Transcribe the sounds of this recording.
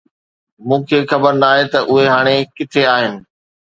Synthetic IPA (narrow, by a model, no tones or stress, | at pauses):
mũːkʰeːxɐbəɾnaːɦet̪ɐʔʊɦeɦaːɽ̃ekɪt̪ʰeaːɦɪnɪ̆